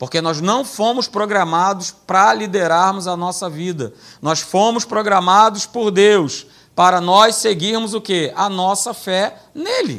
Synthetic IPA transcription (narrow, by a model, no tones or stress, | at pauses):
poɾkenɔznɐ̃w̃fõmʊspɾoɡɾamad̪ʊspɾɐlid̪eɾaɾmʊzɐnɔsɐvid̪ɐ | nɔsfõmʊspɾoɡɾamad̪ʊspoɾd̪ews | paɾɐnɔsseɡiɾmʊzʊkeɐnɔsɐfɛ | nelɪ̰